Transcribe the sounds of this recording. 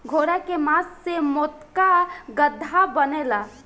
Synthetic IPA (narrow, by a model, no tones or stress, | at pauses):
ɡʱoːɾɛkemassemɔt̪kaɡəd̪ʱːabənela